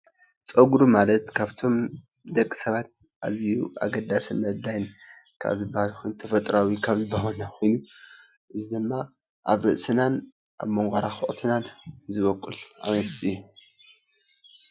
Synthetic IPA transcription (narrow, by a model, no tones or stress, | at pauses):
t͡sʼɐɡɾumalɐt̪kʰaβt̪ʰo̞m | d̪ɐkʼːi̥sɐβat̪ | ʔa̰zijuʔa̰ɡɐd̪asɨnːɐd̪ajn | kʰa̰βzɨbahalxʰo̞jnut̪ʰɐfɐt̪ʼɾʔawikʰaβzɨbːaɦonaxʰo̞jnu | ʔɨzid̪ɨmːa | ʔaβɾɨʔsɨnan | ʔa̰βmɐŋɡɐɾaxɨʔʼt̪ʰɨnanzɨβɐkʼːɨlʔa̰mɐst̪ʼiɨjːu